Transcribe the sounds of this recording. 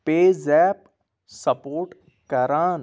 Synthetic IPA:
peːzɛːp̚ | səpoːʈ | kɐɾaːn

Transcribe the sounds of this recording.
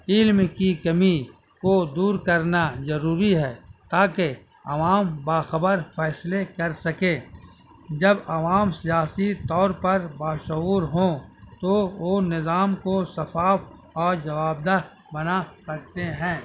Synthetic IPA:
ɪlmkikɐmi | kod̪uːɾkɐɾnazɐɾuːɾiɦɛːt̪aːke | ɐ̰ʋaːmbaːxəbəɾfɛːslekɐɾsɐkẽ | d͡ʒɐbɐʋaːmsijaːsit̪ɔːɾpɐɾbaːʃuːɾɦõt̪oʋonɪzaːmkosɐfaːf | ɔːɾd͡ʒɐʋaːb̚d̪a | bɐnasɐk̚t̪eɦɛ̃ː

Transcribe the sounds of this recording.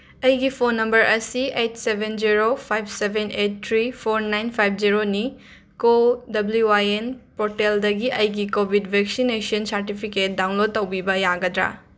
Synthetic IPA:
ɐjɡipʰonːɐmbɐɾʔɐsietsebʱend͡ʒiɾopʰajb̚ʰsebʱenet̚tʰɾipʰoɾnajnpʰajp̚ʰd͡ʒiɾoni | kodɐbluwajenpoteldɐɡiʔɐjɡikobʱidbʱek̚sinesiɐnsɐɾtipʰiket̚daw̃nlotːɐwbibɐjaɡɐdɾa̰

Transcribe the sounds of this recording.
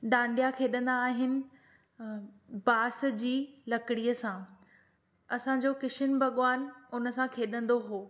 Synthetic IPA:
ɗãːɳɖʱijakʰeːɗə̃nd̪aːɦɪnɪ̆ | baːs̆d͡ʑiːlɐkɪɽijəsã | ɐsãd͡ʑoːkɪʃɪnbʱɐɠʋaːnʊnə̆sãkʰeːɗə̃nd̪oɦoː

